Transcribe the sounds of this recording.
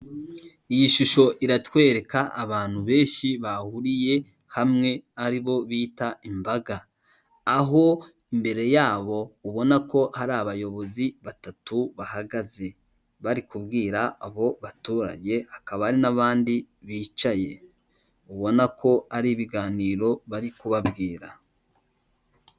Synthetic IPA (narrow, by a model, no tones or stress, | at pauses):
ijiʃuʃo̞ʔiɾatwe̞ːɾe̞kaʔːβaːn̥huβe̞ːnʃiβahuɾije̞ | hamŋe̞aɾiβo̞βiːtaimbaɡaː | ɦo̞ | imbe̞ɾe̞jaːβo̞uβo̞nako̞haɾaːβajo̞βo̞ziβatatuβahaɡaze̞ | βaɾikubɡiːɾaːβo̞βatuːɾa̰ɟe̞hakaβaɾinaβaːndi | βiːt͡ʃaje̞ | uβo̞nakʰo̞aɾiːβiɡaːniːɾo̞βaɾikuβabɡiːɾa